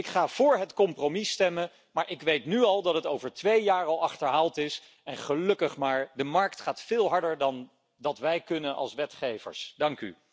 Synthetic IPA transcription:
ɪkχaːv̥ʊːɹɦətkɔmpromistɛmən | maːɹʔɪkʋejtnyɑlˠdɑtɦətowvəɹtʋejjaːrɑlˠɑχtəɹɦaːlˠtɪs | ɛnχəlɵkəχmaːɹdəmɑɹktχaːtfɪːlˠɦɑɹdəɹdɑn | dɑtʋɛjkɵnənʔɑ̰lˠsʋɛtχejvə̰ɹsdɑŋky̰

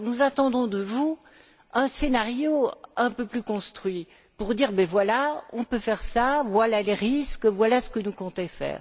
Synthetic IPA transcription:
nuzat̪ɑ̃d̪ɔ̃d̪əvu | ɛ̃senaʁjoɛ̃pøplykɔ̃st̪χɥi | puʁd̪iʁbɛvwalaɔ̃pøfɛʁsavwalaleʁiskvwalasə̥kənukɔ̃t̪ẽfɛ̰ːʁ

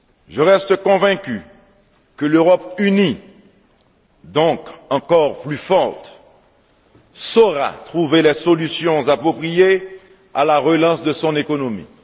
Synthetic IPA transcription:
ʒəʁɛst̪kɔ̃vɛ̃kʲy̰ | kəløʁɔpyni | d̪ɔ̃kɑ̃kɔʁplyfɔʁt̪ | soʁa̰t̪χuvelɛsɔlysjɔ̃zapχɔpχije | alaʁəlɑ̃sd̪əsɔ̃nekonomḭ

